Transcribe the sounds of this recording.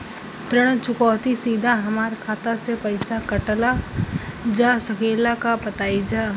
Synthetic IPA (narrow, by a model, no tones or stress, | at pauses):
t̪ɾəɽ̃t͡ʃʊkɔːt̪isiːd̪ʱaɦɐmaːɾkʰaːt̪asepɐɪsakəʈla | d͡ʒasəkʰeːlakapət̪aːid͡ʒa